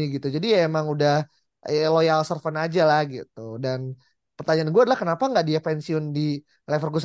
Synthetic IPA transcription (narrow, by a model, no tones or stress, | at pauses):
iɡit̪ud͡ʒadiemaŋudah | lojalsərfənad͡ʒalahɡḭt̪udan | pərt̪aɲaːnɡuadalahkənapaŋɡaʔdiapɛnsiʊndi | lɛfərɡus